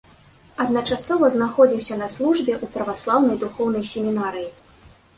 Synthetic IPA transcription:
ɐd̪nɐt͡ʂasɔvɐznaxɔd͡zʲiwsʲɐnɐslˠuʐbʲɛʔupɾɐvaslˠawnɐjd̪uxɔwnɐjsʲemʲinaɾɨji

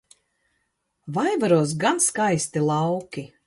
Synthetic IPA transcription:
vajvaɾuɔs̬ɡanskajst̪ilˠɑwkʲi

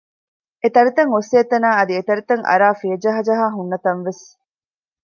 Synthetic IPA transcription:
et̪ɐɾit̪ɐŋoseːt̪ɐnaːɐd̪iet̪ɐɾit̪ɐŋʔɐ̰ɾaːfiɐd͡ʒɐɦɐd͡ʒɐɦaːɦunːɐt̪ɐnʋes

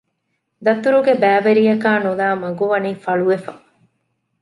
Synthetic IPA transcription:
d̪ɐt̪uɾuɡebæːʋeɾijɐkaːnulaːmɐɡuʋɐniːfɐɭuʋefɐ̰

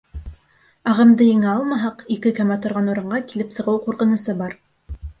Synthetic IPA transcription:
ɑʁɤ̆md̪ɤjɘ̆ŋæɑlˠmɑɦɑqikɘkæmæt̪ŏɾʁɑnuɾɤ̆ɴɢɑkilɘpsɤ̆ʁɤwquɾqɤ̆nɤ̆sɤbɑɾ

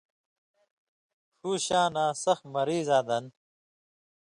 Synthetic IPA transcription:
ʂuːɕaːnaːsɐxmɐɾiːzaːd̪ɐn

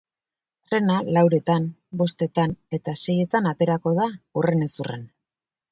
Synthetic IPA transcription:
t̪ɾe̞nalawɾe̞t̪anbo̞st̪e̞t̪ane̞t̪ase̞je̞t̪anat̪e̞ɾako̞ð̞aure̞nesurḛn

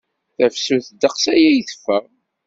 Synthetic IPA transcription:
θæfsuθd̪əqsæjæjəθə̥fːəʁ

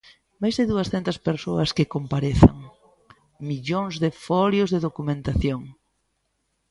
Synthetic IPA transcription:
majzðɪðuɐsθɛnt̪ɐspeɾsoɐskekompaɾeθa̰ŋ | miʎoŋzðefɔljozðeðokumẽnt̪aθjoŋ

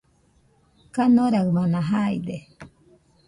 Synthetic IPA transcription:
kanoɾamanãɦajd̪e

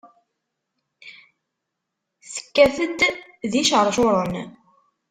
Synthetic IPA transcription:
θə̥kːæθət̪ | ðiʃʁəɾˤʃoɾˤən

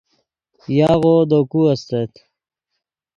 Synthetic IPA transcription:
jaːɣod̪okuɐst̪et̪

